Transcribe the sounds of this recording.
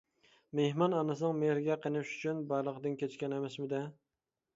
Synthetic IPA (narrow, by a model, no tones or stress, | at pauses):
mehmɑnɑnɨsɨnɨŋmeɾɡʲɛqʰənɨʃy̥t͡ʃʰynbɑjlˠəqd̪ɨnkʲet͡ʃkʲɛnɛmɛsmɪd̪ɛ